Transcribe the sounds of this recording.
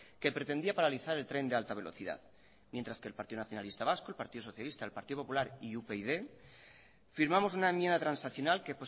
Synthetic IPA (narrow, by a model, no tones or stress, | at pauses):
ke̞pɾe̞t̪e̞nd̪iapaɾaliθaɾe̞lt̪ɾe̞nd̪e̞alt̪aβ̞e̞loθiða̰ð | mjent̪ɾaske̞lpaɾt̪iðonaθjonalist̪aβasko̞elpaɾt̪iðo̞so̞θjalist̪aelpaɾt̪iðopo̞pulaɾiupeiðe | fiɾmamo̞s̬unaemjend̪at̪ɾansnaθjonalkepos